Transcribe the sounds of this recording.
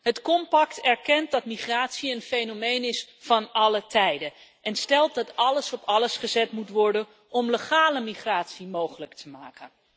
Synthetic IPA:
ɦətkɔmpɑktɛɹkɛnt̚dɑtmiχraːtsiənfejnomejnɪs | fɑnɑlətʰɛjdə | ʔɛnstɛlˠt̚dɑtɑləsɔpɑləsχəzɛtmutʋɔɹdən | ɔmləχaːləmiχraːtsimowχələktʰəmaːkən

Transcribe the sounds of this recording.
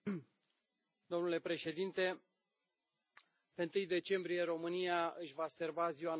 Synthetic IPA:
d̪̥o̞mnule̞pɾe̞ʃe̞d̪int̪e̞ | pent̪ɨjd̪e̞t͡ʃe̞mbɾije̞ɾo̞mɨnijaɨʃʲvase̞rbaziwan

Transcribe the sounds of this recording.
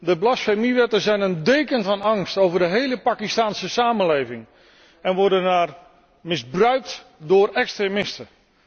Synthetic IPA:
dəblasfemiʋɛtəzɛjnəndejkənvɑnɑŋstowvərdəɦejləpakistaːnsəsaːmənlejvɪŋ | ɛnʋɔrdənaːr | mɪzbrœɥk̚tdʊːrɛkstremɪstə

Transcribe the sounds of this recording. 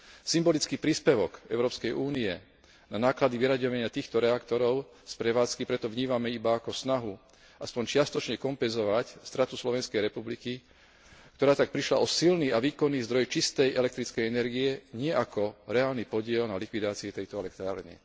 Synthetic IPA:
simbɔlit͡skiːpɾiːspɛʋɔkɛ̰ʊɾɔːpskɛjʔuːniɛ | nanaːklad̪iʋiɾaɟɔʋaɲɪat̪iːxt̪ɔɾɛakt̪ɔɾɔʊ | spɾɛʋaːt͡skipɾɛt̪ɔʋɲiːmamɛibaːkɔsnaɦu | aspɔɲt͡ʃɪast̪ɔt͡ʃɲɛkɔmpɛnzɔʋacst̪ɾat̪uslɔʋɛnskɛjɾɛpubliki | kt̪ɔɾaːt̪ak̚pɾiʃla̰ʔɔsilniaʋiːkɔnːiːzd̪ɾɔjt͡ʃist̪ɛjʔɛlɛk̚t̪ɾit͡skɛjɛnɛɾɡijɛɲɪɛʔakɔɾɛaːlnipɔɟɪɛlnalikʋid̪aːt͡siut̪ɛjt̪ɔɛlɛk̚t̪ɾa̰ːɾnḭ

